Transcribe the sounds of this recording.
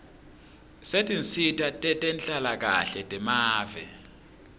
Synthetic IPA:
setʼint͡sʰʼitʰʼatʼɛtʼɛnt͡ɬʼalak̬a̰ɬɛtʼɛmaːvɛ̰

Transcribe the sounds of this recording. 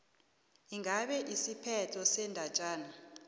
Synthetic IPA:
iŋaɓɛʔisipʰɛtʰɔsɛndʱat͡ʃʼaːna

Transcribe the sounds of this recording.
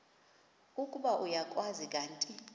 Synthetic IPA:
ukʼuɓaʔujakʼwazik̬ʼaːntʼi

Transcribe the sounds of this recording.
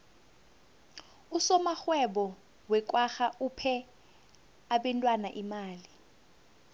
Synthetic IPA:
usɔmaxwɛɓɔ | wɛk̬ʼwaxaʔupʰɛ | aɓɛntʼwanaʔimaːli

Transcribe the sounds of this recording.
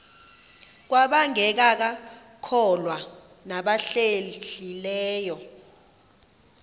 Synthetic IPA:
k̬waɓaŋɛk̬ak̬akʰɔlwa | naɓaɬeɬilɛːjɔ

